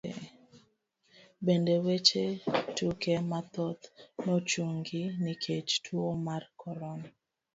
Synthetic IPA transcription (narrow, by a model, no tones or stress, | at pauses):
bendewet͡ʃetukemat̪ɔt̪nɔt͡ʃuŋɡɪnikʰet͡ʃtʰwomarkʰɔɾɔna